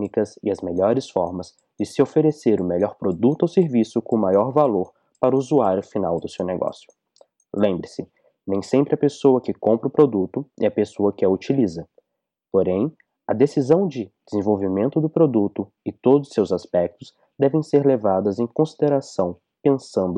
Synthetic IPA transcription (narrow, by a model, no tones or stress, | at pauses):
nikɐzɪɐzmeʎɔɾɪsfɔ̰ɾmɐz | d͡ʒɪsɪofeɾeseɾʊmeʎɔɾpɾod̪ut̪ʊowseɾvisʊkõmajɔɾvaloɾ | paɾʊuzuaɾjʊfinawd̪ʊsewneɡɔ̰sjʊ̥ | lẽmbɾɪsɪ | nẽj̃sẽmpɾɪɐpesowɐkɪkõmpɾɐʊpɾod̪ut̪ʊɪ̰ɐpesoɐkɪɐut͡ʃilizɐ | poɾẽj̃ | ɐd̪esizɐ̃w̃d͡ʒɪd͡ʒɪzẽvowvimẽnt̪ʊd̪ʊpɾod̪ut̪ʊ | ɪt̪od̪ʊsːewzaspɛk̚t̪ʊs | d̪ɛvẽj̃seɾlevad̪ɐzẽj̃kõsid̪eɾasɐ̃w̃ | pẽsɐ̃nd̪ʊ